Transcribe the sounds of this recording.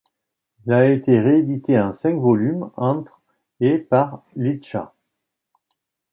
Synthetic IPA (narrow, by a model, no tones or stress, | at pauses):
ilaet̪eʁeːd̪it̪eɑ̃sɛ̃kvɔlymɑ̃t̪χ | epaʁliʃa̰